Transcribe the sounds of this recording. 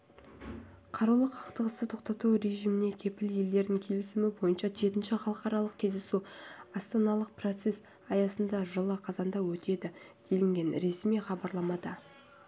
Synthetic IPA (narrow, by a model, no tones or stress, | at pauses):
qʰɑɾɑwlˠəqʰːɑqt̪əʁəst̪ət̪ʰo̞qt̪ɑt̪uɾe̞ʒijmɪne̞kʲʰe̞pɪlje̞ld̪e̞ɾnɪŋkʲʰe̞lɪsɪmɪbo̞jənʃɑʒe̞t̪ɪnʃɪχɑlˠəqɑɾɑlˠəq̚kʲʰe̞zd̪e̞suɑst̪ɑnɑlˠəq̚pro̞t̪se̞s | ɑjɑsənd̪ɑʒəlˠəqʰɑzɑnd̪ɑwɵt̪e̞d̪ɪd̪̥e̞lɪŋɡʲe̞nɾe̞smijχɑbɑɾlˠɑmɑd̪ɑ